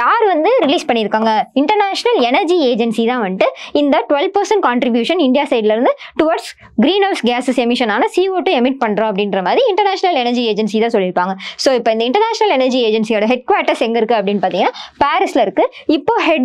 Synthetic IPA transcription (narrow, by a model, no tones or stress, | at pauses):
jaːɾʋɐnd̪ɯɾɪliːspɐɳːɪɾɯkːaːŋɡɐɪɳʈɐɾnaːʂɐnɐlɛnɐɾd͡ʒieːd͡ʒɐnsit̪ãːʋɐɳʈːɯɪnd̪ɐʈʊʋɛlʋ̚pɐɾsɐɳʈ̚kaːɳʈɾɪbjuːʂɐnɪɳɖɪjaːsɐɪɖɪlɐɾɯnd̪ɯʈʊʋaːɾɖs | ɡɾiːnɐːsɡaːssɛmɪʂɐnaːnɐsiːoːʈːɯɛmɪʈ̚pɐɳɖɾõːɐp̬ːɐɽɪnɾɐmaːðɾiɪɳʈɐɾnaːʂɐnɐlɛnɐɾd͡ʒieːd͡ʒɛnsit̪ãːsɔlːɪɾɯpːaːŋɡɐsoːɪpːoːɪnd̪ɐɪɳʈɐɾnaːʂɐnɐlɛnɐɾd͡ʒieːd͡ʒɛnsijoːɽɐɦɛɖ̚kʊʋaːɾʈːɐsɛŋɡɐɪɾɯkːɯɐpːɐɽɪnːpaːɾt̪ĩŋɡɐnːaːpaːɾɪsɪlɐɪɾɯkːɯɪpːoːɦɛɖ